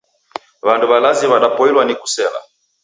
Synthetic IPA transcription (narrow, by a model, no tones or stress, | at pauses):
βanduβalaziβaɗapɔilwaniku̥sɛla̰